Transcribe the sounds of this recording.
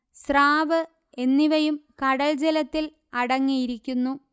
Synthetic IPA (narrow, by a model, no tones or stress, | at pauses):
sraːʋɨ | e̞nːiʋɐjumkɐɽɐld͡ʑelɐt̪ːil | ɐɽɐŋːijiɾikʲːunːu